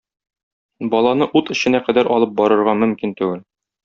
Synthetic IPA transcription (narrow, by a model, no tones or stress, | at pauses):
bɒlˠɑnɤʔut̪ɘ̆ɕɘ̆næqæd̪æɾʔɒlˠɤp̚bɒɾɤ̆ɾʁɑmɵ̆mkint̪ʉwɘl